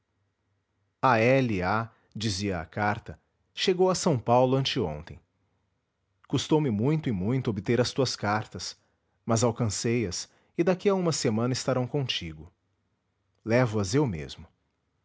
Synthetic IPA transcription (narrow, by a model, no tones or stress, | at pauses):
aɛlia | d͡ʒiziɐ̰ːkaɾt̪ɐ | ʃeɡowɐsɐ̃w̃pawlʊɐ̃nt͡ʃɪõ̰nt̪ẽj̃ | kust̪owmɪmũj̃t̪ʊɪmũj̃t̪ʊobɪt̪eɾɐst̪uɐskaɾt̪ɐs | mɐzawkɐ̃sejɐs | ɪd̪akiaũmɐsemɐ̃nɐɪst̪aɾɐ̃w̃kõt͡ʃiɡʊ | lɛvʊɐzewmḛzmʊ